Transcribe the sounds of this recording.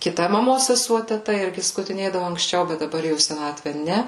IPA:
kʲɪˈtɐ mɐˈmoːs sʲɛˈsuɔ tʲɛˈtɐ ˈɪrʲɡʲɪ skʊtʲɪˈnʲeːdɐʋʊ ɐŋksʲˈt͡ʃʲɛʊ bʲɛt dɐˈbɐr jɛʊ iː sʲɛˈnɑːtʲʋʲɛ ˈnʲɛ

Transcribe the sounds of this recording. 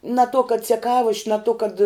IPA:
nɐ toː kɐt t͡sʲɛˈkɑːʋoːʃʲ nɐ toː kɐt

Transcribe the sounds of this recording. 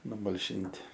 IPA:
nʊmɐlʲˈʃʲɪnʲtʲɪ

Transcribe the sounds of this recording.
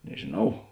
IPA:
nʲɛʒʲeːˈnɐʊ

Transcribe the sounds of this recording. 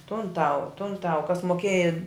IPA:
tʊn ˈtɐʊ tʊn ˈtɐʊ kɐs moːˈkʲeːjɛ

